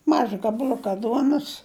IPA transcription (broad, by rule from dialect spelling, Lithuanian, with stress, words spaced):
ˈmɑːʒɐ ɡɐbɐˈlʲʊkɐ ˈduɔnʊs